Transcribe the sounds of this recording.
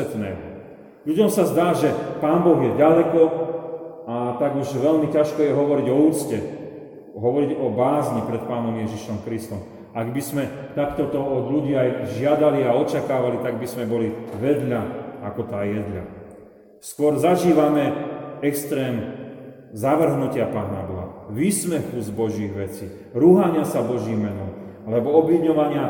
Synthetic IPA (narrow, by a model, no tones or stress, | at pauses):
ɛt̪nɛ̰ːɦ | ʎuɟɔmsazd̪aːʒɛpaːnbɔɣjɛɟalɛkɔ | at̪aɡuʒʋɛʎmicaʃkɔjɛɦɔʋɔɾiɟɔuːt͡scɛ | ɦɔʋɔɾiɟɔbaːzɲipɾɛt̪̚paːnɔmjɛʒiʃɔmkɾist̪ɔm | aɡbizmɛt̪akt̪ɔt̪ɔɔd̪ʎuɟiːajʒɪad̪aliaɔt͡ʃakaːʋalit̪aɡ̚bizmɛbɔliʋɛd̪ʎaakɔt̪aːjɛd̪ʎa̰ | skʊɔɾzaʒiːʋamɛɛkst̪ɾɛːm | zaʋr̩ɦnucɪapaːnabɔɦa̰ʋiːsmɛxuzbɔʒiɣʋɛt͡siː | ɾuːɦaɲɪasabɔʒimːɛnɔm | alɛbɔɔbʋiɲɔʋaɲɪa